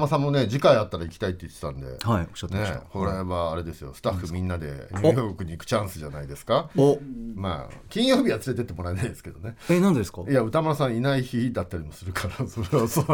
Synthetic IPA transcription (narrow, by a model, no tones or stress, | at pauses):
masãmːo̞ne̞d͡ʑikaiat̪ːaɾaikʲi̥t̪ait̪ːe̞it̪ːe̥t̪ã̰nd̪e̞̰haioɕt̪ːne̞ko̞ɾe̞βaːɾe̞d̪e̞sɨjo̞̰sɨ̥t̪aɸːɯ̟mʲĩnːad̪e̞̰ɲʲjoːkɯ̟ɲ̟iːkɯ̟̥t͡ɕãɰ̃sɨʑanaid̪e̞sɨ̥kaoma̰kʲĩɰ̃jo̞ːbʲiβat͡sɨɾe̞t̪e̞t̪ːemo̞ɾaenaid̪e̞sɨ̥ke̞d̪o̞ne̞enãnd̪skɑjaɯ̟t̪amoɾasãɰ̃inaiçid̪at̪ːaɾʲimo̞sɨɾɯ̟kʰaɾasoɾeaso